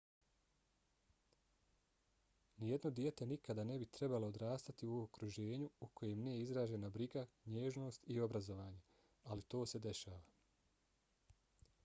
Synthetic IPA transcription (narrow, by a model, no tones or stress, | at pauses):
nije̞d̪no̞d̪je̞t̪e̞nikad̪ane̞bit̪ɾe̞balood̪ɾaːst̪at̪iuokɾuʒe̞ːɲuuko̞jemnijeizɾaːʒe̞nabɾiɡaɲe̞ːʒno̞ːst̪io̞bɾazo̞ʋaːɲe̞ | alit̪o̞ːse̞d̪e̞ʃaːʋa